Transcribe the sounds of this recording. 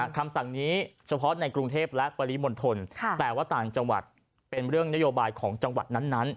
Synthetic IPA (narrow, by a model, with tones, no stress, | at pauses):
kʰa˧msa˨˩ŋniː˦˥t͡ɕʰa˧pʰɔ˦˥na˧jkɾu˧ŋt̪ʰeː˥˩p̚lɛ˦˥ʔpa˧li˦˥mo˧nt̪ʰo˧nʰ˧t̪ɛː˨˩waː˥˩t̪aː˨˩ŋt͡ɕa˧ŋwa̰˨˩t̪̚ | pe˧nɾɯ˥˩əŋna˦˥joː˧baː˧jkʰɔː˩˦ŋt͡ɕa˧ŋwa̰˨˩t̪̚na˦˥nːa˦˥n